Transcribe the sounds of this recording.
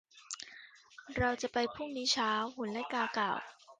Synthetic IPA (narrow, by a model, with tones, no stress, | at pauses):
ɾa˧wt͡ɕa˨˩pa˧jpʰu˥˩ŋniː˦˥t͡ɕʰaː˦˥whu˩˦nlɛ˦˥kaː˧ka̰ː˨˩w